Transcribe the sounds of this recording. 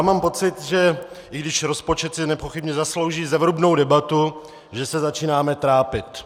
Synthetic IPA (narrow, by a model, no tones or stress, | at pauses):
amaːmpo̞t͡sɪt̪ʒɛ | ʔɪɡdɪʃɾo̞spo̞t͡ʃɛt̪sɪnɛpo̞xɪbɲɛzaslo̞wʒiːzɛvɾubno̞wdɛbat̪u | ʒɛsɛzat͡ʃiːnaːmɛt̪ɾaːpɪt̪